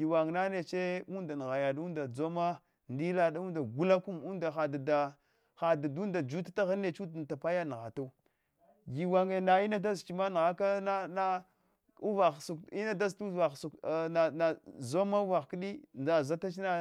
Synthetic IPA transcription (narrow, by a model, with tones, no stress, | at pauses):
ɡi˨wa˨ŋna˦ne˨t͡ʃe˦u˦nda˨n˨ɣa˨ja˨du˦nda˨d͡zo˦ma˦ | ndi˦la˦da˦u˦nda˨ɡu˦la˦ku˦mu˦da˨xa˨da˨da˨ | xa˨da˨du˦nda˨d͡ʒu˦tḁ˦ta˦ɣa˦ne˨t͡ʃu˦du˨n˨ta˨pa˦ja˦n˨ɣa̰˨ta˦u˦ | ɡi˨wa˨ŋe˨na˨i˦na˦da˦zt͡ʃi˨ma˦n˨ɣa˦ka˦na˦na˦ | u˦va˨xsu˨ki˦na˦da˦ztu˦va˨su˨ka˨na˨zo˦ma˦u˦va˨ɣki˦ɗi˦nda˨za˦ta˦t͡ʃi˦na˦